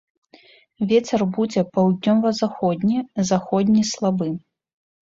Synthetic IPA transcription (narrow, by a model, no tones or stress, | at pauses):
vʲɛt͡sʲɛrbud͡zʲɛpawd̪ʲnʲɔvɐzaxɔd̪ʲnʲizaxɔd̪ʲnʲislˠabɨ